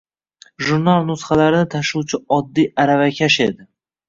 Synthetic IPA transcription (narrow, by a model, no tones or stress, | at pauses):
ʒuɾnalˠnʊsχalaɾɪnɪt̪ʰaʃuwt͡ʃʰɪɒd̪ːijaɾavakʲʰaʃed̪ɪ